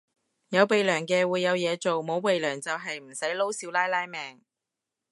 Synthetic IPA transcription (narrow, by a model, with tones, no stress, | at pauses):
jɐ˨˧wpe˨jlœː˨˩ŋkɛː˧wuː˨˧jːɐ˨˧wjɛː˨˧t͡so˨wmo˨˧wpe˨jlœː˨˩ŋt͡sɐ˨wɦɐ˨jm̩˨˩sɐ˨˥jlo˥wsiː˨˥wlaː˥jlaː˥jmɛː˨ŋ